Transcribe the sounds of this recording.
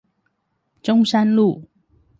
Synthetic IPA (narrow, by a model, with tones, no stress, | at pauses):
ʈ͡ʂʊ˥ŋʂa˥nlu˥˨˩